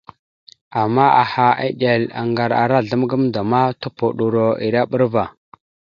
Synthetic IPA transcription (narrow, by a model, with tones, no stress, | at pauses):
a˨mːa˦a˨ha˨a̰˦ɗe˨la̰˨ŋɡa˨ɾa̰˨ɾa˦˨ɮə˦mɡə˦mda˨ma˦to˦po˨ɗu˨ɾo˨ḭ˨ɾa˦ɓə˦ɾva˨